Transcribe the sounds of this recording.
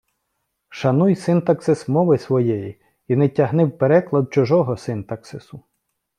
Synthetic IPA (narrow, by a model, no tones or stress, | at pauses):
ʃɐnujsɪnt̪ɐksɪsmɔʋɪsʋɔjɛji | inɛtʲːɐɦnɪwpeɾɛklˠɐd̪̚t͡ʃʊʒɔɦɔsɪnt̪ɐksɪsʊ